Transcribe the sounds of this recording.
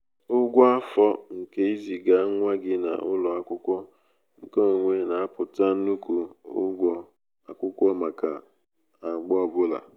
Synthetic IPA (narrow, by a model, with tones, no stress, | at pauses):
ʊ˦ɡʷɔ˦a˦fɔ˦ŋ̩˨ke˦i˦zi˨ɡa˦ŋʷa˦ɡɪ˦na̰˨ʔʊ˦lɔ˨a˦kʷʊ˦kʷɔ˦ | ŋ̩˨ko˦o˨ŋʷe˨na˨a˦pʊ˨ta˦n̩˦nu˦ku˨ʊ̰˦ɡʷɔ˦ | a˨kʷʊ˦kʷɔ˦ma˨ka̰˨ | a˨ɡ͡bɔ˦˨bʊ˦la̰˨